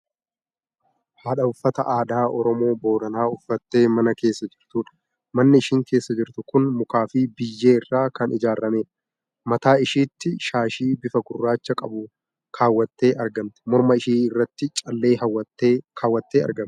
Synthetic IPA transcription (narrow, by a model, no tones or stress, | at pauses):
haːᶑɐʊfːɐt̪ɐʔaːd̪aːʔɔɾɔmo̞ːbo̞ːd̪ɐnaːʊfːɐt̪ːe̞ːmɐnɐke̞ːsːɐd͡ʒɪɾt̪uːᶑɐ̥ | mɐnːɪɪʃiːŋke̞ːsːɐd͡ʒɪɾt̪ʊkʊnmʊkaːfɪbɪjːe̞ːɪrːaːkɐnʔɪd͡ʒaːɾːɐme̞ːᶑɐ̥ | mɐt̪aːɪʃiːt̪ːɪʃaːʃiːbɪfɐɡʊrːaːt͡ʃːɐkʼɐbʊ | kʰaːwːɐt̪ːe̞ːʔɐɾɡɐmt̪ɛ̥mɔɾmɐɪʃiːɪrːɐt̪ːɪt͡ʃʼɐlːe̞ːhɐwɐkʰaːwːɐt̪ːeːɐ̰ɾɡɐm